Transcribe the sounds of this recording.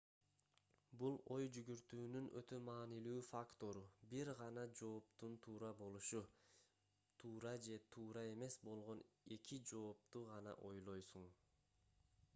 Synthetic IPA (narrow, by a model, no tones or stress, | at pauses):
bulˠo̞jd͡ʒyɡyɾt̪yːnynʔøt̪ø̞mɑːnilyːfakt̪o̞ɾubiɾʁɑnɑd͡ʒo̞ːp̚t̪unt̪ʰuːɾɑbo̞lˠuʃu | t̪ʰuːɾɑd͡ʒe̞t̪ʰuːɾɑe̞me̞sbo̞lˠʁo̞ne̞kid͡ʒo̞ːp̚t̪uʁɑnɑ̰ʔo̞jlˠo̞jsuɴ